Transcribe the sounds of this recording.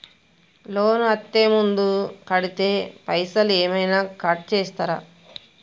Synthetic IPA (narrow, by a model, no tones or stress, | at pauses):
loːnɐt̪ːeːmund̪ukɐɽit̪e̞ːpɐjsɐleːmɐjnaːkɐʈ̚t͡ʃeːst̪aːɾaː